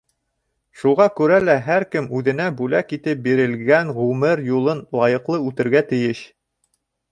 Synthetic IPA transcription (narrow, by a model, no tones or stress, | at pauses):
ʃuʁɑkʉɾælæɦæɾkɘmʉðɘ̆næbʉlækit̪ɘp̚biɾɘ̆lɡæŋʁʉmɘɾjulˠɤnlˠɑjɤ̆qlˠɤʉt̪ɘ̆ɾɡæt̪ɘ̆jɘɕ